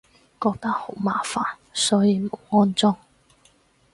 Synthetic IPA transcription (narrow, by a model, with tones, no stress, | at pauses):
kɔː˧k̚t̪ɐ˥k̚ho˨˥wmaː˨˩faː˨n | sɔː˨˥jiː˧mo˨˥wŋɔː˥nt͡sʊ˥ŋ